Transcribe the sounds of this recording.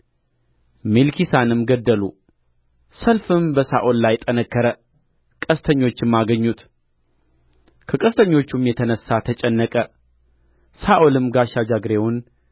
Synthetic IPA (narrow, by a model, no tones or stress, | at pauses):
melkʰisanɨmɡəd̪ːəlu | səlfɨmbəsaʔolːajt̪ʼənəkːəɾə | kʼəst̪ʰəɲːo̞t͡ʃːɪmːaɡəɲːut̪ | kʰəkʼəst̪ʰəɲːo̞t͡ʃːumjɛt̪ʰənəsːat̪ʰət͡ʃʼɛnːəkʼə | saʔolɨmɡaʃad͡ʒaɡɾe̞wʊn